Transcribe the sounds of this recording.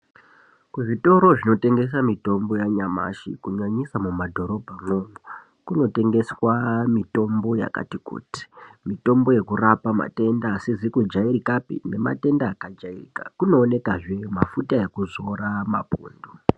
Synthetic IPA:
kuʐito̞ɾo̞ʐino̞te̞ŋɡe̞s̬amito̞mbo̞jaɲama̰ʃḭkuɲaɲisamumadʱo̞ɾo̞bʱano̞mu | kuno̞te̞ŋɡeswamito̞mbo̞ja̰ka̰tikṵːti̥mito̞mbo̞je̞kurapama̰te̞ndasezikud͡ʒaiɾikapḭne̞ma̰te̞ndaːkad͡ʒairḭka̰kuno̞ːne̞kaʐe̞mafutae̞kuzo̞ɾama̰bʱṵːndu

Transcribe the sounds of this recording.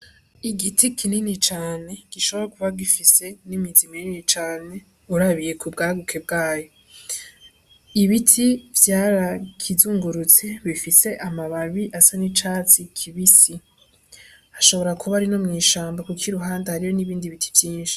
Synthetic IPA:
iɡitikʰininit͡ʃaːne̞ɡ̥iʃo̞βo̞ɾakuβaɡifise̞nimizimeninit͡ʃaːne̞ | uɾaβije̞kʰubɡaːɡukʰe̞b̚ɡaːjo̞ | iβitʰivjaːɾakʰizuːŋɡuɾut͡se̞βifise̞ʔamaβaβiʔasanit͡ʃaːt͡sikʰiβisi | aʃo̞βo̞ɾakʰuβaɾino̞mŋiːʃaːmbakukʰiɾuɦaːndahaɾijo̞niβiːndiβitʰi̥vjiːnʃi̥

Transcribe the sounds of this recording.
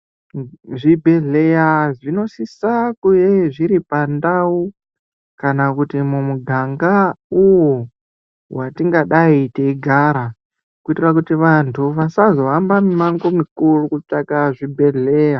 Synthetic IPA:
ʐibʱe̞ɮe̞jaʐino̞sisakujeʐiɾipandau | kanakutimumuɡʱaŋɡauwo | watiŋɡaɗaiteiɡʱaɾa | kuitirakutiʋantʰuʋasazo̞ambamimaŋɡomikurukut͡ʂakaʐibʱe̞ɮeja

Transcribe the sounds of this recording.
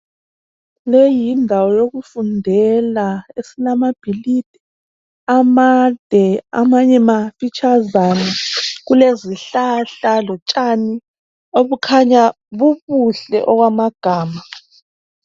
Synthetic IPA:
lejindʱawɔjoɣufundʱɛlaesilamab̥ʱilid̥ʱɛ | amad̥ʱɛa̰maɲɛmafit͡ʃʰʼazβanɛɣuleziɬaɬalɔt͡ʃʼani | oβukʰaɲa | βuβuɬɛ̰ʔɔɣwamaɡ̥ʱaːma

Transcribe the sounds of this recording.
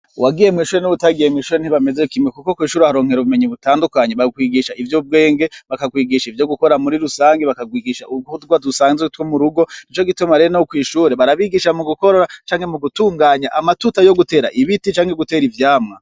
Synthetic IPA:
wʔaɡije̞mŋiːʃuːɾe̞nuβutaɡijemŋiːʃuːɾen̥iβame̞ze̞kimŋekuko̞kwiːʃuːɾehaɾo̞ːŋ̥he̞ɾoβume̞ɲiβutaːndukaɲe̞βakwiːɡiʃaivjob̚ɡe̞ːŋɡe̞βakaɡwiːɡiʃaivjo̞ɡuko̞ɾamuɾiɾusaːŋɡeβakaɡwiːɡiʃauɡudɡwadusaːŋzetwomuɾuɡo̞nit͡ʃo̞ɡitumaɾeɾnaokwiːʃuːɾe̞βaɾaβiɡiʃamuɡuko̞ɾoɾat͡ʃaːŋhe̞muɡutuːŋɡaːɲaʔamatutajo̞ɡute̞ːɾa̰ʔiβitit͡ʃaːŋheɡute̞ːɾivjaːmŋa

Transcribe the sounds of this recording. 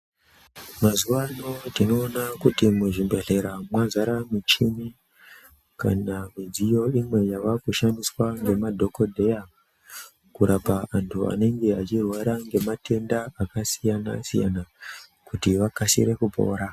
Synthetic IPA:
mazuʋanotino̞ːnakutimuʐimbe̞ɮe̞ɾamwazaɾamut͡ʃimi | ka̰namid͡zijo̞imwe̞jaʋakuʃandiswaŋɡe̞madʱo̞ko̞dʱe̞ja | kuɾapaantʰua̰ne̞ŋɡe̞at͡ʃirwaɾaŋɡe̞matʰe̞ndaakasijana̰sija̰nakutiʋakasḭɾe̞kupo̞̰ːɾa

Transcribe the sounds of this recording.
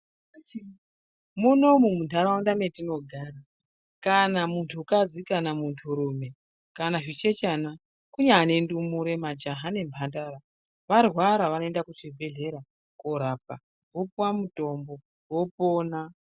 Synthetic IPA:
muno̞mumuntʰaɾaundame̞tino̞ɡʱaːɾa | kanamuntʰukad͡zikanamuntʰuɾume̞ | kanaʐit͡ʃe̞t͡ʃana | kuɲaːne̞ndumuɾe̞mad͡ʒaɦane̞mbʰʱandaɾa | ʋarwaɾaʋanoe̞ndakut͡ʃibʱe̞ɮe̞ɾa | koɾaːp̚a | ɦo̞puwamuto̞mbo̞ | wopoːna

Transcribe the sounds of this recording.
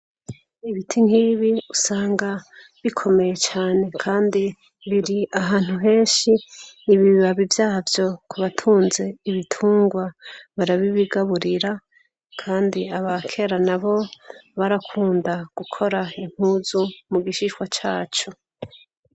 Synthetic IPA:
iβitʰiŋ̥hiβiusaːŋɡa | βikʰo̞me̞je̞t͡ʃaːne̞kʰaːndi | βiɾiaɦaːn̥huɦe̞ːnʃiːβiβaβivjaːvjo̞kʰuβatʰuːnze̞iβitʰuːŋɡwaβaɾaβiβiɡaβuɾiɾa | kʰaːndiaβakʰe̞ɾanaβo̞βaɾakʰuːndaɡ̥ukʰo̞ɾaim̥huzumuɡiʃiʃwat͡ʃaːt͡ʃo̞

